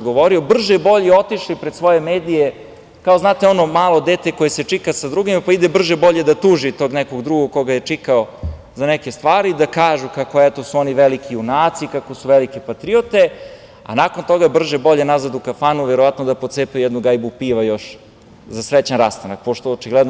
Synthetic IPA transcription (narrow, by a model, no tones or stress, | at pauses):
ɡoʋo̞ɾiobr̩ʒebo̞ʎio̞t̪iʃlipɾed̪sʋo̞je̞meːd̪ije | kao̞znaːt̪eo̞no̞maːlˠo̞d̪eːt̪eko̞jeset͡ʂikasad̪ɾuɡimapaid̪ebr̩ʒebo̞ʎe̞d̪at̪uːʒit̪o̞ːɡnɛko̞ɡd̪ɾuɡokkːo̞ɡajet͡ʂikao | zanɛkest̪ʋaːɾid̪akaːʒukakoɛt̪o̞suoniʋelikʰiunaːt̪sikakosuʋelikipat̪ɾiot̪e | a̰nako̞nt̪o̞ɡabr̩ʒebo̞ʎenazad̪ukafanuʋeɾo̞ʋat̪nod̪apot̪seːpeujɛd̪nuɡajbupiʋajo̞ʃ | zasɾet͡ɕanɾast̪anak̚poʃt̪oot͡ʃiɡlɛd̪n